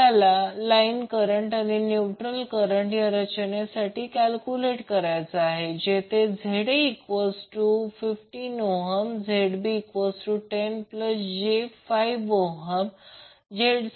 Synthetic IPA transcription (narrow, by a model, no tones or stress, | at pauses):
alalainkəɾəɳʈaninjuʈɾəlkəɾəɳʈjaɾət͡ɕənjasaʈiːkælkuleʈkəɾajt͡səaɦed͡ʑet̪ʰed͡zʱeɽeikʋəsʈufifʈinoɦəmd͡zʱeɽbiːkʋəsʈuʈenpləsd͡ʑefaiʋoɦəm | d͡ʑeɽ